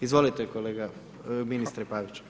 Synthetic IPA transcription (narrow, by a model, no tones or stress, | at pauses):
izʋo̞lit̪ekoleːɡa | minist̪ɾepaʋit͡ɕu̥